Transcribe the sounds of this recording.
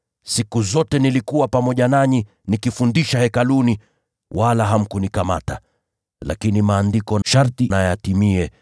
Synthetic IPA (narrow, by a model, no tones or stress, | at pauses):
sikuzɔtɛnilikuwapamɔʄanaɲi | nikifundiʃahɛkaluni | wʔalaɦam̩kunikama̰ta | la̰kinimaːndikɔnʃaɾtinajatimiɛ